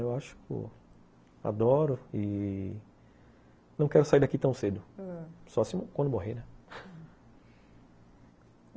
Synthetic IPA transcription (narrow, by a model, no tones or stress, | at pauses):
ewaʃʊ̥kʊ̰ | a̰d̪ɔɾʊi | nɐ̃w̃kɛɾʊsaiɾd̪akit̪ɐ̃w̃sed̪ʊsɔsĩmkwɐ̃nd̪ʊmoɦenɛ